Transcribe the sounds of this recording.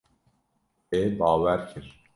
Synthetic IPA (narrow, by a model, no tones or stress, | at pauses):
ebɑːvæɾcʰiɾ